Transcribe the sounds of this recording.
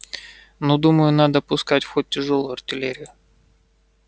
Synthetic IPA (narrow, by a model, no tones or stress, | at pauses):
nod̪uməjʊnad̪əpʊskatʲfxot̚ʲtʲːɪʐolˠʊjʊɐrtʲɪlʲeɾʲɪjʊ